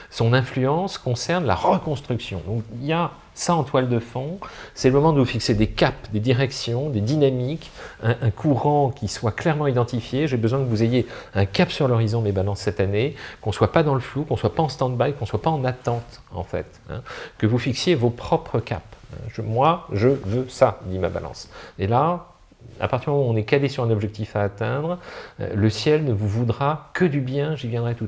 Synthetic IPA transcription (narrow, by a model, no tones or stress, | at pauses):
sɔ̃nɛ̃flyɑ̃skɔ̃sɛʁnla̰ʁəkɔ̃st̪χyksjɔ̰̃d̪ɔ̃kilja | saɑ̃t̪wald̪əfɔ̃sɛləmɔmɑ̃d̪əvufiksed̪ekapd̪ed̪iʁɛksjɔ̃d̪ed̪inamik | ɛ̃ʔɛ̃kʰuʁɑ̃kʲiswaklɛʁmɑ̃id̪ɑ̃t̪ifjeʒebəzwɛ̃kəvuzejeɛ̃kapsyʁlɔʁizɔ̃mebalɑ̃sːɛt̪anekɔ̃swapad̪ɑ̃ləflukɔ̃swapaɑ̃st̪ɑ̃d̪̚bajkɔ̃swapaɑ̃nat̪ɑ̃t̪ɑ̰̃fɛ̰t̪ɛ̰̃kəvufiksjevopχɔpχəka̰pɛ̰̃ʒəmwaʒəvøsad̪ima̰ba̰lɑ̰̃sela | a̰paʁt̪iʁm̃ɔ̃nɛkalesyʁɛ̃nɔbʒɛk̚t̪ifaːt̪ɛ̃d̪ʁ̰ləsjɛlnəvuvud̪ʁakəd̪ybjɛ̃ʒivjɛ̃d̪ʁɛt̪u